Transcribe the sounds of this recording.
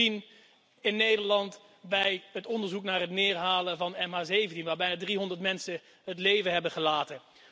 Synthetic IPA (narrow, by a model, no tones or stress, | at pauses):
in | ɪnːejdəɹlɑnt | bɛjɦətɔndəɹzuknaːɹɦətnɪːɹɦaːləvɑnɛmɦaːzejvəntinʋaːɹbɛjnaːdriɦɔndəɹtmɛnsə | ɦətlejvəɦɛbəχəlaːtə